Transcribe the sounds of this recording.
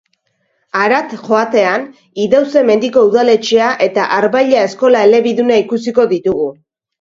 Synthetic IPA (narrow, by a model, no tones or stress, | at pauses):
aɾat̪ʝo̞at̪e̞an | iðawse̞me̞nd̪iko̞uðale̞t͡ʃeaʔe̞t̪aʔaɾβajʎae̞sko̞lae̞le̞βiðunaikusiko̞ðit̪uɣu